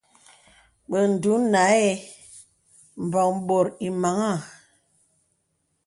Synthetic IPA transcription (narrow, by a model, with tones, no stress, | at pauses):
ɓə˨n̩˨du˨˦na˨˦e˦ | m̩˨bɔ˨ŋ˦ɓo˨ɾi˨ma˨˦ŋa˦˨